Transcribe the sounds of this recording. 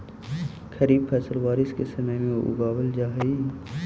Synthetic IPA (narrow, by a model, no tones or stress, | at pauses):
kʰɐɾiːbfʰɛːsəlʋaːɾɪskesɐmamẽʔʊ̰ɡaːwəld͡ʒaːɦi